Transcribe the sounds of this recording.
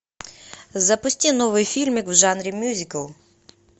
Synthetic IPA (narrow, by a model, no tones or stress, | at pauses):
zɐpʊsʲtʲinɔʋɨjfʲilʲmʲikwʒɑnɾʲimʲjuzʲikɐlˠ